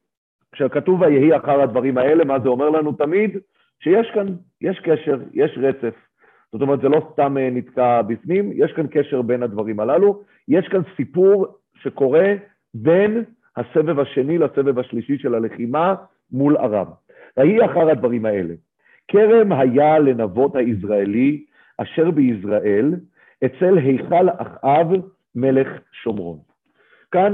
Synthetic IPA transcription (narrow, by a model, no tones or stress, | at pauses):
kʃavkat̪uvajeɦiaχaʁhad̪vaʁimae̞le̞mazeo̞me̞ʁlanut̪amid̪ | ʃe̞jeʃkan | jʔeʃkeʃe̞ʁjʔeʃʁet͡se̞f | z̥otomet̪zelo̞st̪amenit̪kabifnimjeʃkanke̞ʃeʁbe̞nhad̪vaʁimalalu | jeʃkansipuʁ | ʃe̞ko̞ʁe̞ | be̞n | hase̞vevaʃe̞nilase̞ve̞vaʃliʃiʃe̞lale̞χima | mula̰ʁa̰b | ʁaiaχaʁhad̪vaʁimae̞le | kʰe̞ʁe̞mɦajale̞navo̞t̪haisʁaeli | ʔaʃe̞ʁbeisʁaʔe̞l | et͡se̞lɦe̞jχalaχʔav | me̞le̞χʃo̞mʁo̞̰n | kan